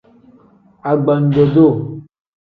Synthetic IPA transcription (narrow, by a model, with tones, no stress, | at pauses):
a˨ɡ͡ba˨n̩˨dɔ˨do˦˨